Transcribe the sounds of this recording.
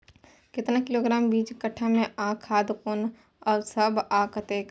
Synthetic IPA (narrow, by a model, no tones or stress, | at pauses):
kɪt̪nakɪloːɡɾaːmbiːt͡ʃkɐʈʰːamẽaːkʰaːd̪kʊn | ɔːɾsɐbaːkɐt̪eːk